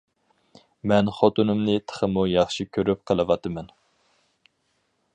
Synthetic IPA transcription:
mɛnχot̪unɨmnɨt̪ʰə̥χəmujɑχʃikʲʰøɾyp̚qʰəlˠɨwɑt̪ɨmɛn

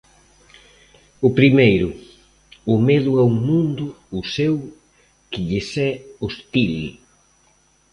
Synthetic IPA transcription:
ʊpɾimejɾʊ | ʊmeðʊawŋmũnd̪ʊːsew | kɪʎɪsɛost̪il

